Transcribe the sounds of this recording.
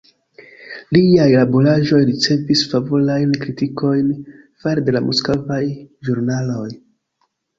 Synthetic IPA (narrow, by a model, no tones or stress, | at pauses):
liajlabulaʒo̞jɾit͡se̞visfavulajnkɾitiko̞jn | faɾede̞lamoskovajʒuɾnalo̞j